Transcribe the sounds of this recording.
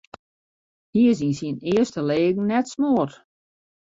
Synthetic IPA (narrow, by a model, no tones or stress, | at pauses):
hiəs̬insiənɪəstəleːɡŋ̩nɛtsmoət